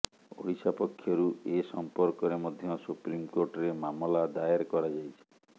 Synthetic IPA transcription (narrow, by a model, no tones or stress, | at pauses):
o̰ɽisapɔkʰːjɔɾuesɔmpɔɾkɔɾemɔd̪ʱjɔsupɾimkoɾʈɔɾemamɔlad̪aeɾkɔɾad͡ʒajt͡ʃʰi̥